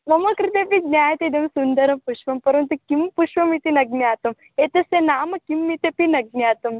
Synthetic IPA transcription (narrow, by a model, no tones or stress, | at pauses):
mɐmɐkɾit̪epiɡnʲjaːjɐt̪id̪ɐmsund̪ɐɾɐpuʃʋɐmpɐɾɐnt̪ukimpuʃʋɐmit̪inɐɡnjaːt̪ɐm | et̪ɐsenaːmɐkimːit̪epinɐɡ̚njaːt̪ɐm